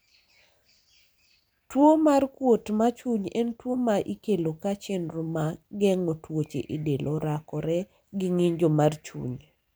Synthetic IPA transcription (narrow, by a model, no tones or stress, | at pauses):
twomarkwotmat͡ʃuɲɛntwomaʔikelokat͡ʃɛnɾʊmaɡɛŋotwot͡ʃḛʔidelʔoɾakɔɾɛ | ɡɪŋɪɲd͡ʒomart͡ʃṵɲ